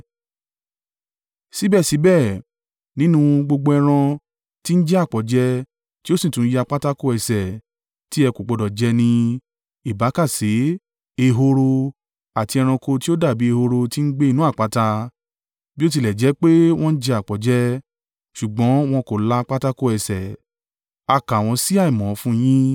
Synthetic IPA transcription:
si˨˦bɛ˦˨si˨˦bɛ˦˨ | nĩ˨˦nũ˦˧ɡ͡bo˧ɡ͡bo˧ɛ˧ɾ̃ã˧ | ti˦n̩˦d͡ʒɛ˦a˦˨k͡pɔ˨˦d͡ʒɛ˦ | ti˦o˦sĩ˨tũ˨˦ji˦a˧k͡pa˦ta˦ko˦˨ɛ˨sɛ˨ | ti˦ɛ˧ko˨ɡ͡bɔ˧dɔ˨d͡ʒɛ˧˦nĩ˧ | i˦˨ba˨˦ka˦˨se˨˦ | e˧ɦo˧ɾo˧ | a˨ti˧ɛ˧ɾ̃ã˧ko˧ti˦o˦da˦˨bi˨˦e˧ho˧ɾo˧ti˦n̩˦ɡ͡be˦i˧nũ˦a˦˨k͡pa˨˧ta˧ | bi˦o˦t̬i˧lɛ˨d͡ʒɛ˨˦k͡pe˦w̃ɔ̃˦n̩˦d͡ʒɛ˦a˨k͡pɔ˨d͡ʒɛ˦ | ʃu˨ɡ͡bɔ̃˨˦w̃ɔ̃˧ko˨la˦˧k͡pa˦ta˦ko˦ɛ˧sɛ˨ | a˧˨ka˨w̃ɔ̃˧si˦a˦˨i˨mɔ̃˨˦fũ˦j̃ĩ˦

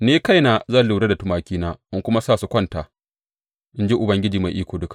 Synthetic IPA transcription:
neː˦ka˦˨jnaː˨zaː˦˨lʊ˨ɾɐ˦da˨tʊ˦maː˨kʲiː˦naː˦ʔɪ˦ŋkʷʊ˦ma˦saː˦˨su˦kʷɐ˦ntaː˨ | ʔɪ˦nd͡ʒɪ˦ʔʊ˨bɐ˦ŋɡʲɪ˦d͡ʒiː˨ma˨jʔiː˦kʷoː˨dʊ˦kḁ˨

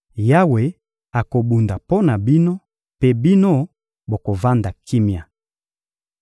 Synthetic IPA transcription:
ja˦we˨ | a˨ko˨bu˨nda˨po˦na˨bi˦no˦ | pe˦bi˦no˦ | bo˨ko˨va˦nda˨ki˦mja˨

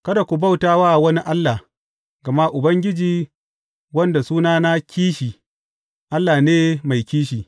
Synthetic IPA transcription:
kɐ˦da˨kʷu˨ba˦˨wtaː˦waː˦˨wɐ˦ni˦ʔa˦lːa˨ | ɡɐ˨ma˦ʔʊ˨bɐ˦ŋɡʲɪ˦d͡ʒiː˨ | wɐ˦nda˨suː˦naː˦na˦kʲiː˦ʃiː˨ | ʔa˦lːaː˨neː˦ma˨jkʲiː˦ʃ̬iː˨

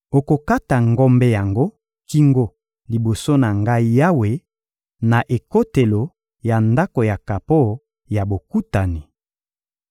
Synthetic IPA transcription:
o˨ko˨ka˦ta˨ŋɡɔ˦mbe˦ja˨ŋɡo˦ | ki˦ŋɡo˦ | li˨bo˨so˦na˨ŋɡa˦i˦ja˦we˨ | na˨ʔe˨ko˦te˨lo˨ | ja˨nda˦ko˨ja˨ka˨po˦ | ja˨bo˨ku˦ta˨ni˨

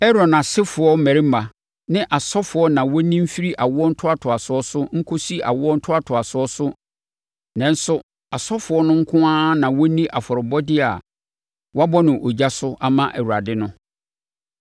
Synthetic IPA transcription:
ɛ˦ɾɔ˨nã˨sɪ˦fʊ˨ɔ˦m̩˦mæ̃˨ɾi˦m̩˦a˨ | nɪ̃˦ʔa˨sɔ˦fʊ˨˦ɔ˦nã˨wɔ˦nĩ˦m̩˦fi˦ɾi˦ʔa˨wʊ˦ɔ˦n̩˦tʰʊ˦a˨tʰʊ˨a˨sʊ˨˦ɔ˦sʊ˦ŋ̩˦kʰo˦si˦ʔa̰˨wʊ˦ɔ˦n̩˦tʰʊ˦a˨tʰʊ˨a˨sʊ˦ɔ˦sʊ˦ | nã˨n̩˦sʊ˦ | a˨sɔ˦fʊ˨ɔ˦nʊ̃˦ŋ̩˦kʰʊ̃˦ãː˦nã˨wɔ˦nĩ˦ʔa˨fɔ˨ɾɪ˨bɔ˦dɪ˦a˨ | wɔ˦a˦bɔ˦nɪ̃˨ʔo˨d͡ʑa˦sʊ˦ʔa˦mã˦ʔæ̰˨wu˨ɾa˨dɪ˦nʊ̃˦

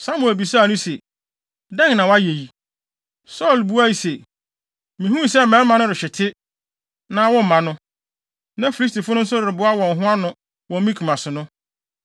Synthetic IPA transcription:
sa˦mu˨e˨bi˨sa˦˨nʊ̃˦se˨ | dɛ̃˦ŋnã˨wa˦je˨ji˨ | sɔ˦˨lbu˦a˦ji˨se˨ | mĩ˨hũ˦˨sɛ˦˨mɛ̃˦mã˨nʊ̃˦ɾɪ˨ɕᶣɪ˨tʰɪ˦ | nã˦wɔ̃˦m̩˨mã˨nʊ̃˦ | nã˦fi˨li˦s̬ti˨fʊ˦nʊ̃˦n̩˦sʊ˦ɾɪ˨ɾɪ˨bʊ˦a˦wɔ̃˨n̩˨ɦʊ̃˦a˦nʊ̃˦ | wɔ̃˨m˦mĩ˦kʰu˨mã˨sɪ˨nʊ̃˦

